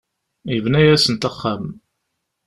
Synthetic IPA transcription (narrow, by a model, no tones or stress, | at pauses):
jəvnæjæsənt̪ɑχːam